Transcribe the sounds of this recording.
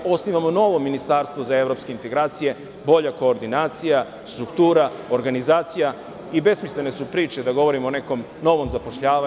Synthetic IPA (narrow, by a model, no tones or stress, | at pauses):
o̞sniʋamo̞no̞ːʋo̞minist̪aːɾst̪ʋozaeʋɾo̞ːpskeint̪e̞ɡɾaːt̪sije̞ | bo̞ʎako̞ːɾd̪inaːt̪sija | st̪ɾukt̪uːɾao̞ɾɡanizaːt̪sija | ibe̞smisle̞ne̞supɾiːt͡ʃe̞d̪aɡo̞ʋo̞ɾimone̞ko̞m | no̞ʋo̞mzapo̞ʃʎaːʋa